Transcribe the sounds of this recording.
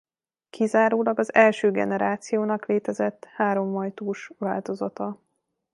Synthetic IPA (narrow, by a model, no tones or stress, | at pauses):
kʰizaːɾoːlɒɡɒzɛlʃøːɡɛ̰nɛɾaːt̪sijoːnɒkleːt̪ɛzɛt̪ːhaːɾo̞ɱːɒjt̪uːʃʋaːlt̪o̞zɒt̪ɒ